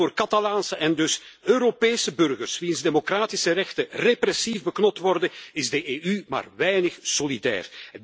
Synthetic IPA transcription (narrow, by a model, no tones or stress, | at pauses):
oːrkɑt̪ɑlaːnsəʔɛndɵsøːɾopeːsəbɵrɣərsʋinzdemokraːtɪsərɛxtəreprɛsivbəknɔp̚tʋɔrdəɪzdəʔeːyma̰ːrʋɛjnəxsolidɛ̰ːr